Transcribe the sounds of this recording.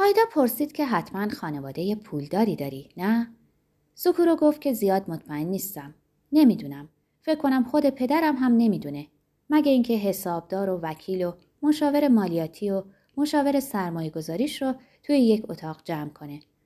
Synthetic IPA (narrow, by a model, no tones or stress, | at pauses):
ʔɒːjd̪ɒːpʰo̞ɾsiːd̪̥cʰe̞ɦæt̪ʰmænxɒːne̞vɒːd̪e̞je̞pʰuːld̪ɒːɾiːd̪ɒːɾinæ | sokʰuːɾoɡo̞ft̪̚cʰe̞zijɒːd̪mot̪ʰmæenːiːst̪æm | ne̞miːd̪uːnæm | fecʰkʰːo̞næmxo̞d̪e̞pʰe̞d̪æɾæmɦæmne̞miːd̪une̞ | mæɟeiŋcʰeɦe̞sɒːb̚d̪ɒːɾo̞væcʰiːlo̞ | mo̞ʃɒːve̞ɾe̞mɒːlijɒːt̪ʰio | mo̞ʃɒːve̞ɾe̞sæɾmɒːje̞ɡo̞zɒːɾiːʃɾo | t̪ʰujeje̞cʰo̞t̪ʰɒːɣd͡ʒæmkʰo̞ne̞